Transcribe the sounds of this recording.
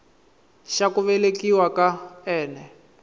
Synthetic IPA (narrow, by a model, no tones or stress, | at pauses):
ʃakuβɛlekiwakaɛːnɛ